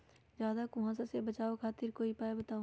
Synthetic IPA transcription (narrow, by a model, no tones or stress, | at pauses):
d͡ʒjaːd̪akʊɦãsasebət͡ʃaːokʰaːt̪ɪɾkoːipaːebət̪aːo